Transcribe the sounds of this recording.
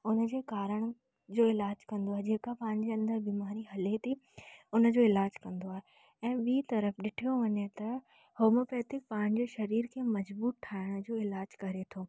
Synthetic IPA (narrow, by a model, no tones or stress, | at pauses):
ʊnə̆d͡ʑeːkaːɾəɽ̃ | d͡ʑoːɪlaːd͡ʑkɐ̃nd̪oaɦed͡ʑeːkapãːɪ̃ɲd͡ʑeɐ̃nd̪əɾbiːmaːɾiɦɐlet̪ʰi | ʊnə̆d͡ʑoːɪlaːd͡ʑkɐ̃nd̪oaːɦe | ɛ̃ːɓiːt̪ɐɾəfɗɪʈʰijoʋɐɲet̪ɐ | hoːmofɛːt̪ɪk̚paːɪ̃ɲ̃̆d͡ʑeːʃɐɾiːɾkʰeːmɐd͡ʑbuːɾ̚ʈʰaːɪɽ̃d͡ʑoːɪlaːd͡ʑkɐɾet̪ʰoː